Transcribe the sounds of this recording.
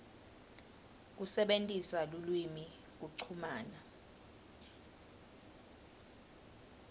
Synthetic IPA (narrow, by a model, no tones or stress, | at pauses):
k̬usɛɓentʼisalulwimi | k̬uǀʰumaːna